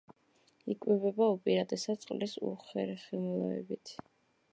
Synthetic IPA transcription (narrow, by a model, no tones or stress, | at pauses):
ikʼwivɛbaupʼiɾad̪ɛsat̪sʼqʼlisṵχɛɾɛχimulˠɔɛ̰bit̪ʰ